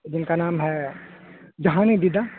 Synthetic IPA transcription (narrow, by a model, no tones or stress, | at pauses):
d͡ʒɪnkanaːmɦɛ | d͡ʒɐɦãneb̪id̪a